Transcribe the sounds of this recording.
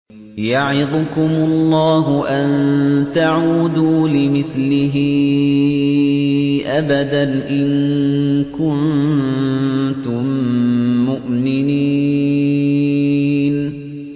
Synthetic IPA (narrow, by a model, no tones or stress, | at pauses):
jaʕɪðˤʊkʊmʊlˤːɑːɦʊʔant̪aʕuːd̪uːlɪmɪθlɪɦɪ | ʔabad̪anʔɪŋ | kʊn | t̪ʊmː | ʊʔmɪniː | n